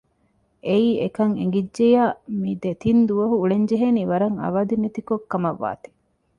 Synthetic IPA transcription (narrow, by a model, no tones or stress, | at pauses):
ʔeiːʔekɐŋḛŋɡidːejaːmiːd̪et̪ind̪uʋɐɦuːɭeɲd͡ʒeɦeniːʋɐɾɐŋɐ̰ʋɐd̪unet̪ikokːɐmɐʋːa̰ːt̪i̥